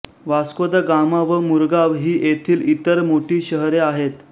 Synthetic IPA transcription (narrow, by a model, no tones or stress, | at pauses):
ʋaskod̪əɡamaʋəmuɾɡaʋɦiːʔet̪ʰiːlit̪əɾmoʈʰiːɕəɦɾeaɦet̪